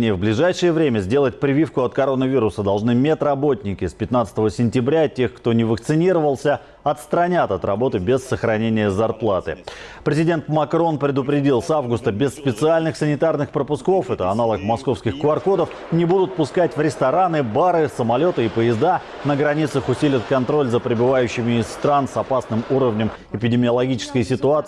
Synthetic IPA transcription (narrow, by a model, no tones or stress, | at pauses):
nʲɪjəvblʲɪʐajʂɨjəvɾʲemʲəzʲdʲe̞lˠət̚ʲpɾʲɪvʲifkʊɐt̪kɐɾo̞nːəvʲiɾʊsəd̪ɐlˠʐnɨmʲet̪rɐbo̞tʲnʲɪkʲɪspʲɪt̪nat̪sə̥t̪əvəsʲɪnʲtʲɪbɾʲatʲe̞xkt̪o̞nʲɪvəkt̪sɨnʲiɾəvəlˠsʲə | ɐt̪st̪ɾɐnʲat̪ɐt̪rɐbo̞t̪ɨbʲɪsːəxɾɐnʲenʲɪjəzɐrplˠat̪ɨ̰pɾʲɪzʲɪdʲe̞nt̪mɐkɾo̞npɾʲɪd̪ʊpɾʲɪdʲilˠsavɡʊst̪əbʲɪsːpʲɪt̪sɨalʲnɨxsənʲɪt̪arnɨxpɾəpʊsko̞fɛt̪əɐnalˠəkmɐsko̞fskʲɪxkʊɐrkod̪əf | nʲɪbud̪ʊt̪̚pʊskatʲvɾʲɪst̪ɐɾanɨbaɾɨsəmɐlʲo̞t̪əipəjɪzd̪a | nəɡɾɐnʲit̪səxʊsʲilʲɪt̪kɐnt̪ɾo̞lʲzəpɾʲɪbɨvajʉɕːɪmʲɪɪsːt̪ɾansɐpasnɨmuɾəvnʲəm | ɪpʲɪdʲɪmʲɪəlˠɐɡʲit͡ɕɪ̥skəjsʲɪt̪ʊat̪